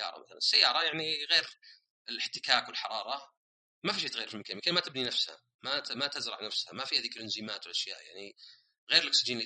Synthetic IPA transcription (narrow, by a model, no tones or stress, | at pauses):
ɑ̰ːɾˤɑ̰maθala̰nsːajːɑːɾˤɑjaʕniɣeːɾ | ɪlɪħt̪ɪkaːkwɪlħɑɾˤɑːɾˤɑ | mafiʃeːt̪ajːɾfimkaːmɪkenmat̪ɪbninafsha̰ | mamat̪ɪzɾˤɑ̰ʕnafsha̰mafihaːðiːklʔɪnzimaːt̪wlʔaʃja̰ːʔja̰ʕni | ɣeːɾɪlɪksɪd͡ʒiːnl